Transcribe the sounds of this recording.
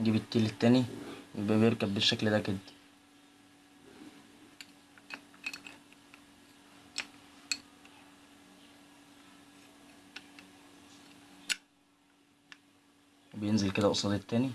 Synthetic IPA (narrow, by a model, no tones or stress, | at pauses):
ɡiːbet̪ːeːlet̪ːæːniwjebʔæbjeɾkæbːeʃːækld̪æked̪ | bejenzelked̪æʔosˤɑd̪et̪ːæːni